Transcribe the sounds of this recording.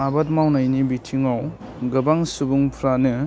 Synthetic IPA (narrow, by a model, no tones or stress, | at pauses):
abat̚mawnajnibitʰiŋaw | ɡɐbaŋsubuŋpʰɾanɯ